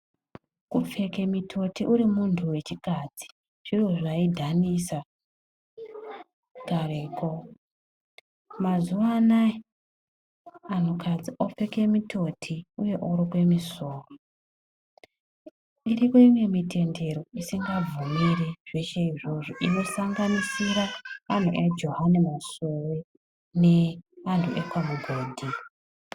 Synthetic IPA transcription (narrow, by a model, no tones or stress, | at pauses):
kup͡fe̞ke̞mitʰo̞tʰiʔuɾimuntʰuwe̞t͡ʃikaːd͡zi̥ | ʐ̥iroʐaidʱanisa | kareːko | mazuʋanai | an̤okʰad͡ziʔop͡fe̞ke̞mitʰo̞tʰiuje̞ʔoɾokwe̞misoːro | irikoimwe̞mitʰe̞nde̞ɾo̞isiŋɡab͡vumiriʐ̥e̞ʃe̞iʐo̞ʐoʔino̞saŋɡanisiɾaːn̤ṵʔed͡ʒo̞ɦanemasowe | ne̞antʰuʔekwamuɡʱoːdʱi